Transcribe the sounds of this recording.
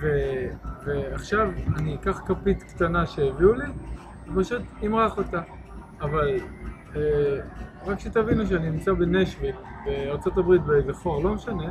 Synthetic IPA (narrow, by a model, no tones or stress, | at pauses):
veveaχʃavanikaχkapit̪kt̪anaʃeːviuli | vepaʃut̪imʁaχot̪aː | val | e | ʁakʃet̪avinuʃ̬eaninimt͡sabe̞neʃvibeaʁt͡sot̪abʁit̪bezeχo̞ʁlo̞meʃane̞